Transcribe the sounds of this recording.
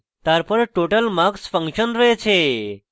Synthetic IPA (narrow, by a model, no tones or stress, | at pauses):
t̪aɾpəɾʈoʈəlmaksfə̃ŋkɕənɾəɦet͡ɕʰe